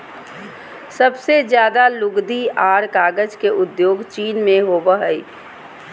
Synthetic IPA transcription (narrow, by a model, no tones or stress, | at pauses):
səbsed͡ʒjaːd̪alʊɡd̪iaːɾkaːɡəd͡ʒkeʔʊd̪joːɡt͡ʃiːnmẽɦoːbəɦəi